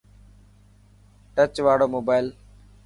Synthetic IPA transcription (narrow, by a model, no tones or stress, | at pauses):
ʈət͡ʃʋaːɽoːmoːbaːɪl